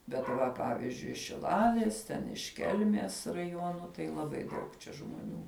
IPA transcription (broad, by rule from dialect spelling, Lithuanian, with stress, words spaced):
bʲɛt ˈʋɐ ˈpɑːʋʲɪzʲd͡ʒʲʊɪ ɪʃ ʃʲɪˈlˠɑːlʲeːs ˈtʲɛn ɪʃ ˈkʲɛlʲmʲeːs rɐˈjuɔnʊ tɐɪ lˠɐˈbɐɪ ˈdɐʊk t͡ʃʲɛ ʒmoːˈnʲuː